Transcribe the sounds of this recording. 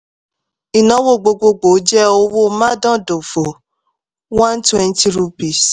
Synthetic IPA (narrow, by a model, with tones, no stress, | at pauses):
i˨nɔ̃˨˦wo˦˨ɡ͡bo˧ɡ͡bo˧ɡ͡bo˨˦d͡ʒɛ˦o˧wo˦mã˦dã˦˨do˨fo˨ | wã˦n˦twɛ̃˧n˦ti˦ɾu˧bi˨s